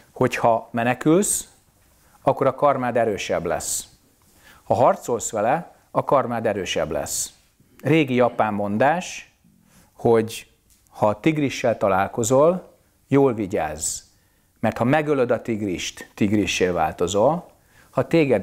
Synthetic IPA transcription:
ho̞chɒmɛnɛkyls | ɒkːo̞ɾɒkɒrmaːd̪ɛɾøːʃɛblɛ̰s | hɒɦɒrt̪so̞lsʋɛlɛ | ɒkɒrmaːd̪ɛɾøːʃɛ̰blɛ̰s | reːɡijɒpaːmːo̞nd̪aːʃ | ho̞ɟ | hɒt̪iɡriʃːɛlt̪ɒlaːlko̞zo̞l | joːlviɟa̰ːz | mɛrt̪hɒmɛɡølød̪ɒt̪iɡriʃt̪t̪iɡriʃːeːlva̰ːlt̪o̞zo̞l | hɒt̪eːɡɛd̪

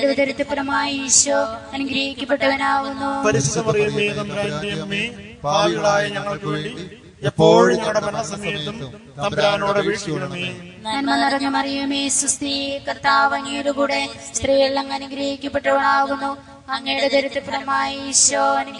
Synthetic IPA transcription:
ɽɐʋɐd̪ɐɾit̪ːipːɐɾɐmaːjiɕʋɐɐnuɡɾɐhikʲːɐpːeʈːɐʋɐnaːɣunːupɐɾisɐnɐmɐrɐjumeːnɐmbɾaːnnijɐɐmi | baːliɣɐɭaːjɐɲɐŋːɐɭkʋeːɽi | epːo̞ːɻɲɐŋːɐɽebɐnːɐsɐmɐjɐt̪ːum | nɐmbɾaːnoːɽeʋiːʈːipɐɳɐmiː | ɲɐːnmɐnːirɐɲːɐmɐrijumiːsust̪ikɐrt̪aːʋɐŋːiːɾukuːɽe | st̪rijiɭːɐŋːɐnuɡɾɐhikʲːɐpːeʈːɐʋɐnaːɣunːu | ɐŋːejuɽed̪ɐɾit̪ːipːɐɾɐmaːjiːɕɐɐn

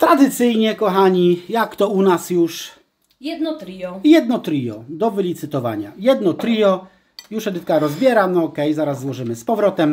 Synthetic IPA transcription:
t̪ɾad̪ɘt̪sɘjɲɛkɔxaɲijakt̪ɔunasjuʂ | jɛd̪njɛd̪nɔt̪ɾijɔ̰d̪ɔvɘlʲit̪sɘt̪ɔva̰ɲa̰jɛd̪nɔt̪ɾijɔ | juʂɛd̪ɘt̪̚kaɾɔzbʲjɛɾanɔɔkɛjzaɾazːwɔʐɘmɘspɔvɾɔt̪ɛm

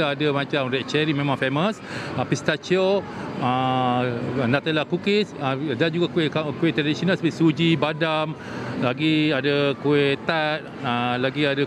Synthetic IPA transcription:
adəmãt͡ʃamɾɛʔ̚t͡ʃɛɾimẽmãŋfeməsəpist̪at͡ʃoə | nat̪alakukɪsədand͡ʒuɡakkuɛʔt̪ɾadisonalsəbʔsud͡ʒibadam | laɡiadəkuɛt̪at̪̚əlaɡiadə

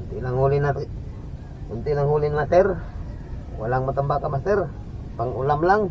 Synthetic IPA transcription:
unt̪ilaŋulina | unt̪ilaŋɦulinmat̪ɛr | walaŋmat̪əmbakamat̪ɛr | paŋṵlamlaŋ

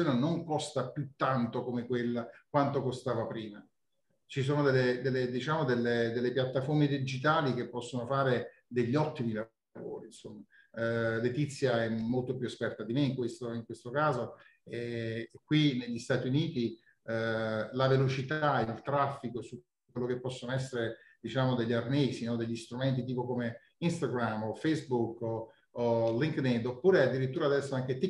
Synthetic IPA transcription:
joːnenoŋkɔst̪apjut̪ːant̪okomekwelːakwant̪okost̪aːvapɾiːma | t͡ʃis̬oːnod̪elːed̪elːed̪it͡ʃaːmod̪elːed̪elːepjat̪ːaformed̪id͡ʒit̪aːlik̟epːɔsːonofaːɾe | d̪eʎːiɔt̪ːimila | vo̰ːɾinsomːa | let̪it̪sːjaɛmːolt̪opjuespɛrt̪ad̪imeiŋkwest̪oiŋkwest̪okaːzo | ekːwineʎːist̪aːt̪iuniːt̪i | lavelot͡ʃit̪ailt̪ɾafːikosu | kːwelːok̟epːɔsːonoɛsːeɾe | d̪̥it͡ʃaːmod̪eʎːarneːsinɔd̪eʎːist̪ɾumɛnt̪̬it̪iːpokome | inst̪aɡɾamːofejzbuk | oliŋkned̪opːuːɾead̪ːiɾit̪ːuːɾad̪ɛsːaŋk̟et̪i

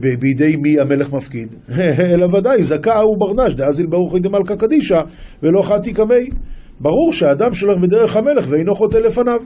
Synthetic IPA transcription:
bebid̪e̞jmiame̞le̞χmafkid̪ | elavad̪ajzakaubaʁnaʃd̪eazilbaʁuχejd̪emalkakad̪iʃavelo̞aχat̪ikame̞j | baʁuʁʃeaːd̪amʃo̞lebed̪e̞ʁ̞e̞χhame̞le̞χveejno̞χo̞tele̞fanav

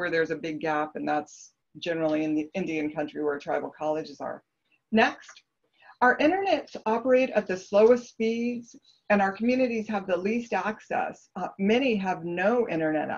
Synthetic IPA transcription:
wə˞ðə˞zɨbɪɡæpɨ̃nðæts | d̥ʒ̥ɛnə˞l̩ˠiɨ̃nðiɪ̃ndiɨ̃nkʰʌ̃nt͡ʃɹ̥iwə˞tʰɹ̥aɪbl̩ˠkʰɑlˠɨd͡ʒɨzə̰˞ | nɛkst | aʊə˞ʔɪ̃ɾ̃ə˞nɛtsɑpə˞eɪɾɨ̰t̪̚ðɨsloʊɨstspidz̥ | ɨ̃naʊə˞kʰmjʉnɨɾiz̥əvðəlistæksɛ̰s | mɛɾ̃iəvnoʊʔɪ̰̃ɾ̃ə˞nɛ̰ɾ

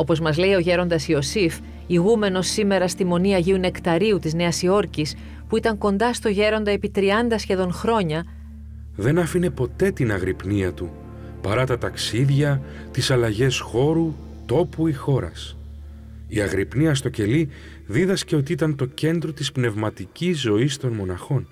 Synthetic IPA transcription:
o̞po̞zmɐzle̞io̞ʝe̞ɾo̞nd̪ɐsio̞sif | iɣume̞no̞sːime̞ɾɐst̪imo̞niɐʝiune̞kt̪ɐɾiut̪izne̞ɐsio̞ɾcis | puit̪ɐŋko̞nd̪ɐst̪o̞ʝe̞ɾo̞nd̪ɐepit̪ɾiɐnd̪ɐsçe̞ðo̞ŋxɾo̞ɲɐ | ðe̞nɐfine̞po̞t̪e̞t̪inɐɣɾipniɐt̪u | pɐɾɐt̪ɐt̪ɐksiðʝɐ | t̪isɐlɐʝe̞sxo̞ɾu | t̪o̞puixo̞ɾɐ̰s | iɐɣɾipniɐst̪o̞ce̞li | ðiðɐsce̞o̞t̪̬iit̪ɐnt̪o̞ce̞nd̪ɾo̞t̪ispne̞vmɐt̪icizzːo̞ist̪o̞nmo̞nɐxo̞n

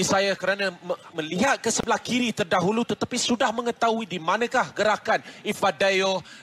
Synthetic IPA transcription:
isajakəɾanãəmə̃liɦat̪̚kəsəbəlahkiɾit̪ərdaɦulut̪ət̪apisudahmə̃ŋət̪aɦuidimãnãkahɡəɾakanifadajo

